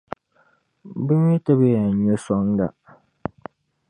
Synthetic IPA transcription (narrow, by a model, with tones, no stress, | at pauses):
bɨ˦m˦i˦ta˦be˦ja˨ɲo˦sɔ˦ŋ˦ɡa̰˨